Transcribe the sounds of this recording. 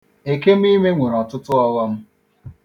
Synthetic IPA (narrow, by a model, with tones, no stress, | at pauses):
e˨ke˦m̩˦i˦me˦ŋʷe˨ɾɔ˨tʊ˦tʊ˦ɔ˦wɔ˦m̩˦